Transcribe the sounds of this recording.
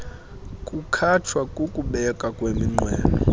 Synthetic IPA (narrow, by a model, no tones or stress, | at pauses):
kʼukʰatʰwakʼukʼuɓɛkʼakʼwemiŋ͡ǃwɛ̰ːlɔ̰